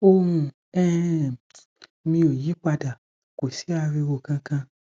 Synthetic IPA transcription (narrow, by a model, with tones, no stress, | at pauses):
o˧hũ˧ | ɛ˦˨ | mĩ˧o˨ji˨˦k͡pa˧da˨ | ko˨si˨˦a˧ɾi˧wo˨kã˧kã˧